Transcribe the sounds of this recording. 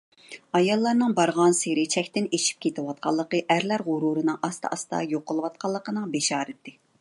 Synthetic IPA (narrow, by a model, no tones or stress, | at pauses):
ɑjɑlˠːɑɾnɨŋbɑɾʁɑnseɾɪt͡ʃʰɛkʲt̪ɪneʃi̥p̚kʲʰet̪ɪwɑt̪̚qʰɑlˠːəqəʔæɾlæɾʁʊɾuɾɨnɨŋʔɑst̪ʰɑ̰ʔɑst̪ɑ̰joqʰːəlˠɨwɑt̪̚qʰɑlˠːəqənɨŋbeʃɑːɾɨt̪ːɪ